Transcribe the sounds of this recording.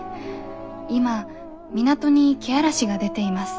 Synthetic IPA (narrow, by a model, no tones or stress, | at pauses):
ima | mʲinat̪o̞ɲ̟ikʲeaɾaɕiɡad̪e̞t̪e̞imasɨ̥